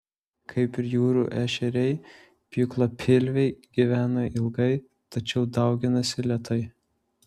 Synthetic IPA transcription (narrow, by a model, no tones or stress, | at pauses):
kʰɐɪpɪɾjuːɾṵːʔæːʃʲɛɾʲɛɪ | pʲɪklˠopʲʰɪlʲʋʲɛɪɡʲiʋʲæːnoːʔɪlˠɡɐɪ | t̪ɐt͡ʃʲɛʊd̪ɐˑʊɡʲɪnɐsʲɪlʲɛt̪ʰɐɪ